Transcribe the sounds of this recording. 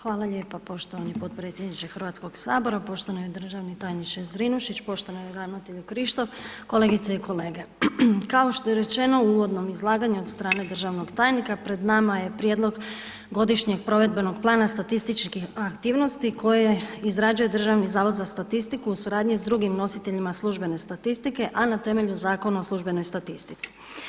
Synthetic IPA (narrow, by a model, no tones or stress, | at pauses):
xʋaːlˠaʎeːpapo̞ʃt̪oʋanipo̞t̪̚pɾe̞ːt̪sjed̪nit̪exr̩ʋaːt̪sko̞ɡsaːbo̞ɾapo̞ʃt̪onojid̪r̩ʒaʋnit̪aːjniʃezɾinuʃit͡ɕpo̞ʃt̪onojɾanot̪eʎukɾiʃt̪o̞ʋko̞le̞ɡit̪seikʰo̞leːɡe̞kaoʃt̪o̞je̞ɾe̞t͡ɕe̞no̞uːʋo̞d̪no̞mizlˠaːɡaɲuod̪st̪ɾaːne̞d̪r̩ʒaʋno̞ɡt̪aːjnikapɾe̞d̪namaje̞pɾjed̪lo̞ɡ | ɡo̞d̪iʃɲe̞ɡpɾo̞ʋe̞d̪̚be̞no̞ɡplˠaːnast̪at̪ist̪it͡ʃkiakt̪iːʋno̞st̪ikʰo̞jeizɾad͡ʒuje̞d̪r̩ʒaʋnizaːʋo̞d̪zast̪at̪ist̪ikuusuɾaːd̪ɲizd̪ɾuɡimno̞sit̪e̞ʎimaslˠuʒbe̞ne̞st̪at̪ist̪ike̞ʔanat̪e̞me̞ʎuzaːko̞nuoslˠuʒbe̞no̞jst̪at̪ist̪i̥t̪si̥